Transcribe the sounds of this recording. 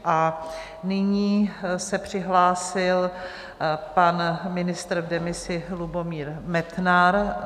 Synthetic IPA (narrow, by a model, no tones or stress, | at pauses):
ʔa | nɪɲiːsɛpr̝̥ɪɦlaːsɪl | panmɪnɪst̪ɾvdɛmɪsɪlubomiːɾmɛt̪naɾ